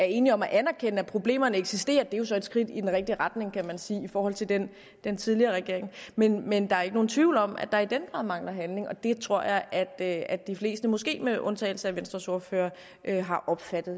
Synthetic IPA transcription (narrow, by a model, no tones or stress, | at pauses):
æɐe̝ːniɒ̽mæʔænæɐkʰenəæpʰʁo̝b̥le̝̰ːmɐnəeɡ̥sisd̥e̝̰ːɐd̥e̝jo̝sɒ̽e̝d̥sɡ̥ʁid̥id̥enʁɛɡ̥̚d̥iʁɑ̈d̥ne̝ŋkʰæmænsiːifɒːhɒ̽l̰t͡sʰe̝ld̥en | d̥ent͡sʰið̞ˠliɐːʁɛɡ̥e̝ɐ̰e̝ŋmenmend̥ɑ̈æɐeɡ̥əno̝ːn̩t͡sʰʋiʊlɒ̽mæ̰̥ɑ̈id̥enɡ̥ʁɑ̈ð̰ˠmɑ̈ŋlɐɦænle̝ŋɒ̽d̥e̝t͡sʰʁo̝ɐ̰jɑ̈ɪʔæd̥æd̥d̥ifle̝̰ːsd̥əmɔ̽sɡ̥e̝̰ːmeʔɔ̽nt͡sʰɛ̰ːl̩səæʋensd̥ʁɐso̝ɐfø̰ːɐ | ʔøɦɑ̈ʔɒ̽b̥fæd̥ð̩ˠ